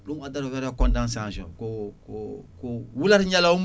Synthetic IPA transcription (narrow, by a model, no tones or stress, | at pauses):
dɔ̃adaɾajaɾɛkɔ̃ndãns̬ãsɔ̰kokokowulaɾiɲalaum